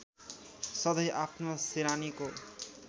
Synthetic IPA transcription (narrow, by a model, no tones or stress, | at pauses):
sɔd̪ajʔapnosiɾaniko